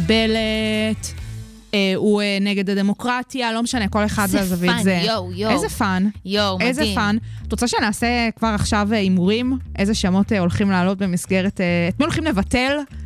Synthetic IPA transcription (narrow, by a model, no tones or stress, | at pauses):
belet | eueneɡe̞dade̞mo̞kʁatjalo̞meʃaneko̞le̞χadleazavitzejezefanjoʔezefantot͡saʃenaːsekvaʁaχʃaveimuʁimʔezeʃamo̞teo̞lχimlaːlo̞t̚be̞misɡe̞ʁeteetmiolχimlevatel